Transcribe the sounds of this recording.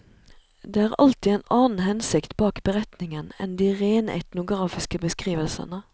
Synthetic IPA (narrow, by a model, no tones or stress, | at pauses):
d̪eːæːʁɑ̰lt̪ɪɛːnɑːnn̩ɦɛnsɪkt̪bɑːkbəʁɛt̪nɪŋənɛ̰nd̪iːʁeːnɛ̰t̪nʊɡʁɑːfɪskəbəskʁiːʋəlsə̰nə